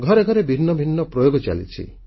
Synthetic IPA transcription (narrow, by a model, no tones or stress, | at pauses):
ɡʱɔɾeɡʱɔɾebʱinːɔbʱinːɔpɾɔjoɡɔt͡ʃa̰lḭt͡ʃʰḭ